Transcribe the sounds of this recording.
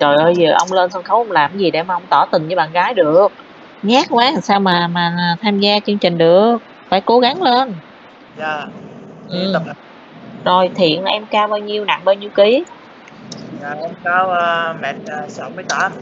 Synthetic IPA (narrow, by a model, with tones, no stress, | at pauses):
zo˨˩jʔəː˧˩jzəː˨˩ʔə̰˧wŋ͡mleː˧nsə˧nxə˧˨˦wʔə˧wŋ͡mlaː˨˩m˦zi˨˩ɗḛ˧˩maː˨˩ʔə˧wŋ͡mt̪ɔ˧˩t̪ï˨˩ŋt͡ɕɨː˧˦ɓa̰ː˧˨˩nɣaː˨˦jɗɨ˨˩ək̚ | ɲaː˦˥k̚kwaː˨˦a˨˩saː˧wmaː˨˩maː˨˩aː˨˩t̪ʰaː˧mzaː˧t͡ɕɨ˧ŋt͡ɕï˨˩ŋ̟ɗɨ˨˩ək̚ | faː˧˩jko˨˦ɣa˨˦ŋle˧n | zaː˧˩ʔɨ˧˨˩ | zo˨˩jt̪ʰḭ˧˨ənʔɛ˧mkaː˧wɓaː˧wɲi˧əwna̰˧˨ŋɓaː˧wɲi˧əwki˨˦ | aː˨˩ʔɛ˧mkaː˧˦wmɛ̰˧˨t̚ːsa˨˦mɨ˧əjt̪aː˧˦